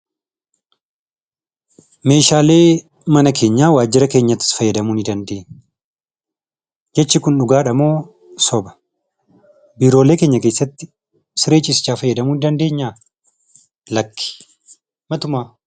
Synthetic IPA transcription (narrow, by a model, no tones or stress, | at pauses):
me̞ːʃaːle̞ː | mɐnɐkʰe̞ːɲːaːwaːd͡ʒːɪɾɐke̞ːɲːɐt̪ːɪ̥sfɐjːɛd̪ɐmuːnɪd̪ɐnd̪e̞ːɲ | d͡ʒɛt͡ʃːɪkʊnᶑʊɡaːᶑɐmoː | sɔbɐ̥ | biːɾo̞ːle̞ːke̞ːɲːɐkeːsːɐt̪ːɪ | sɪɾe̞ːt͡ʃʼːɪsɪ̥t͡ʃːaːfɐjːɐd̪ɐmuːnɪd̪ɐnd̪e̞ːɲːaː | lɐkʰːɪ̥ | mɐt̪ʊmaː